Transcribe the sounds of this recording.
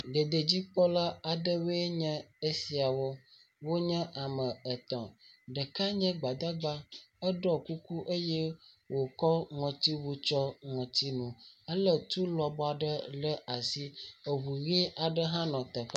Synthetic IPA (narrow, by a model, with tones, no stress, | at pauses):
ɖə˨d̪ə˨d͡ʑi˦k͡pɔ˦la˦a˨ɖə˦we˦ɲɛ̃˦e˦si˨a˨wɔ˦ | wo˦ɲɛ̃˦ʔa˨mə̃˨ə˨t̪ɔ̰̃˨ɖə˨ka˦ɲɛ̃˦ɡ͡ba˨d̪a˦ɡ͡ba˦ə˦ɖɔ˦ku˦ku˦ʔe˦jɛ˦ | wo˨kɔ˦ŋɔ̃˨t̪i˦wu˦t͡ʃɔ˦ŋɔ̃˨t̪i˦nũ˨ə˦lə˦t̪u˦lɔ˨bɔ˦a˨ɖə˦lə˦a˨si˦ə˨wu˨ɣʔa˨ɖə˦ɦã˦nɔ̃˨t̪ɛ˨fa˦